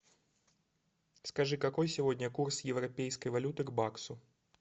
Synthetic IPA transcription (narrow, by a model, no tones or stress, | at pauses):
skɐʐɨkɐko̞jsʲɪvo̞dʲnʲəkursjɪvɾɐpʲejskəjvɐlʲut̪ɨɡbaksʊ